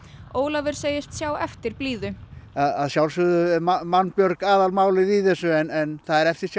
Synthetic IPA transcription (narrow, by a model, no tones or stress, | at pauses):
oːwlavɪɾ̥seːjɪst̪sjaːwɛft̪ɪɾ̥pliːðʏaða̰ðsjawlsʏðʏmamanːpjœɾkaːðalmaːwlɪðiθɛsːʏɛnɛnθaðɛɾɛft̪ɪɾ̥s